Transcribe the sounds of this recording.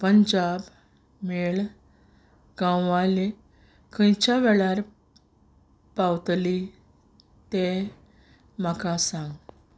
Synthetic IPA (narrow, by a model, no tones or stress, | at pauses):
pəɲd͡ʑab | meɭ | ɡ̥ãwʋale | kʰə̃jt͡ɕaʋɛɭaɾ | pawt̪li | t̪e | makasãŋɡ